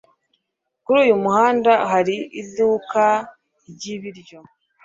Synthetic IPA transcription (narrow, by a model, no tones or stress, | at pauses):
kuɾuːjumuhaːndaɦaɾiiduːka | ɟiβiɾɟo̞